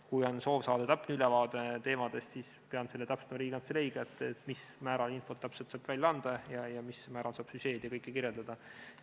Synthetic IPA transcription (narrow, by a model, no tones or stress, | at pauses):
kujo̞nso̞ːvsɑːd̪̥et̪æpːnylɛvɑːd̪et̪e̞ːmɑd̪̥e̞st̪sispeɑnselːet̪æpst̪ɑmɑɾiːɡ̥ɑnselejɡ̥ɑet̪ːˑet̪mismæːɾɑlinfo̞t̪læpselt̪sɑːb̥vælʲjɑɑnd̪̥ɑjɑjɑmismæːɾɑlsɑːb̥syse̞ːd̪̥jɑkɤjkːekirjeld̪ɑd̪̥ɑ